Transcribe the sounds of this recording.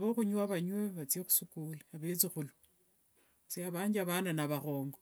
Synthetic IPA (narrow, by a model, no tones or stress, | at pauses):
βoxuɲwaβaɲweβat͡siexu̥sukuliaβet͡sixulu | seaβaːɲd͡ʒiaβananaβaχoːŋɡo